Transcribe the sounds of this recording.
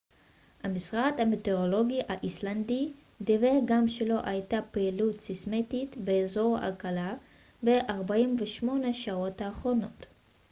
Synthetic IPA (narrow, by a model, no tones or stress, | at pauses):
hamisʁadhamete̞ʁo̞lo̞ɡiʔaʔislandi | diveɡamʃelo̞ʔajtapeilutsismetitbeːzo̞ʁa̰lkala | be̞ʔaʁbaimveʃmo̞neʃao̞thaːχʁo̞no̞t